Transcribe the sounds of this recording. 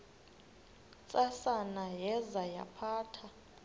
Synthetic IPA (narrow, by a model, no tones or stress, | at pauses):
t͡sʼasanajɛzaja̰pʰaːtʰa